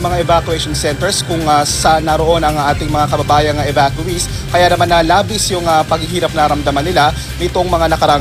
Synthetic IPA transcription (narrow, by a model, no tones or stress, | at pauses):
mɐŋaʔɛvakjuɛjʃonsɛnt̪ɛɹskʊŋɐsɐnɐɾo̞ʔo̞nɐŋʔaːt̪ɪŋmɐŋakɐbɐbaːjɐnŋɐʔɛvakjuis | kɐjanɐmanːɐlaːbɪsjʊŋɐpɐɡɪɦiːɾɐp̚nɐɐɾɐmd̪ɐmanːɪla | nɪt̪o̞ŋmɐŋanɐkɐɾaː